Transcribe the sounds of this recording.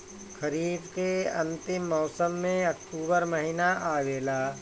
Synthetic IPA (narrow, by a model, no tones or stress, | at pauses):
xɐɾiːd̪keɐ̃nt̪ɪmːɔːsəmːẽɐk̚ʈuːbəɾmɐɦinaʔaːʋeːlaː